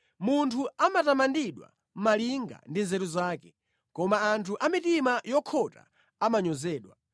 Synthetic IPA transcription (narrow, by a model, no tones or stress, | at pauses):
muntʰuamatamandiɗwa̰ | m̩maliŋɡa̰ndinzɛɾuzaːkɛ̥ | kɔmaːntʰuʔamitimajɔkʰɔta̰ | amaɲɔzɛːɗwa